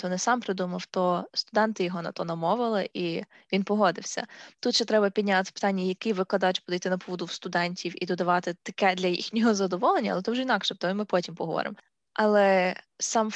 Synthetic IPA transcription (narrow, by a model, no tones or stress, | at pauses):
t̪ɔnɛsɑmpɾed̪umɐwt̪ɔst̪ʊd̪ɛnt̪ɪjɔɦɔnɐ̰t̪ɔnɐmɔʋɪlˠɪʔi | ʋʲinpɔɦɔd̪ɪwsʲɐ̰t̪ut̪ʃɛt̪ɾɛbɐpʲid̪ʲnʲat̪ɪ̥pɪ̥t̪ɑnʲːɐjɐkɪʋɪklˠɐd̪ɑt͡ʃpɔd̪ɐjt̪ɪnɐpɔʋɔd̪ʊwst̪ʊd̪ɛnʲtʲiwḭd̪ɔd̪ɐʋɑt̪ɪt̪ɐ̥kɛd̪lʲɐjḭxnʲɔɦɔzɐd̪ɔʋɔlˠenʲːɐ̰lˠɛt̪ɔwʒɛinɑkʃɛt̪ɔimɪpɔtʲimpɔɦɔʋɔ̰ɾɪ̰m | ʔɐlˠɛsɑm